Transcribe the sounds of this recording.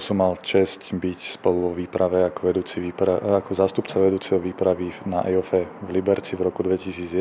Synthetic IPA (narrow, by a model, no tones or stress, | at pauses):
sumːalt͡ʃɛscbicspɔluʋɔʋiːpɾʔaʋɛakɔʋɛd̪uːt͡siʋiːpɾaakɔzaːst̪upt͡saʋɛd̪uːt͡sɛɦɔʋiːpɾaʋinaʔa̰jɔfɛvlibɛɾt͡sivɾɔkud̪ʋɛcisiːd͡zjɛ